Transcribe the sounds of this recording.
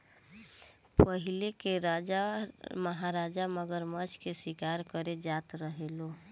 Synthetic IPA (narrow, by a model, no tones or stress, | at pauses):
pəɦilekeɾad͡ʒaməɦaɾad͡ʒaməɡəɾmət͡ʃʰkesikaɾkəɾed͡ʒat̪ɾəɦelo